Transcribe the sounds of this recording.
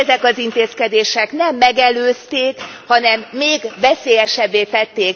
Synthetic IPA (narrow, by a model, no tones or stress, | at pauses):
ɛzɛkɒzint̪eːskɛd̪eːʃɛknɛmːɛɡɛløːst̪eːkhɒnɛmːeːɡvɛseːjɛʃɛbːeːt̪ɛt̪ːeːk